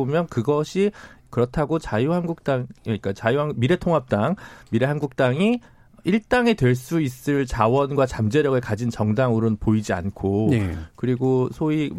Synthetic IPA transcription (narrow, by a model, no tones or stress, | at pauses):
omjʌnkɯɡʌɕʰikɯɾʌtʰaɡot͡ɕajuhanɡuk̚t͈aŋik͈at͡ɕajuɦamiɾe̞tʰoŋɦap̚t͈aŋmiɾe̞ɦanɡuk̚t͈aŋi | iɭt͈aŋe̞twe̞ɭs͈uis͈ɯɭt͡ɕawʌnɡwat͡ɕamd͡ʑeɾjʌɡɯɭkad͡ʑint͡ɕʌŋdaŋuɾɯnpoid͡ʑia̰nkʰoekɯɾiɡosʰoi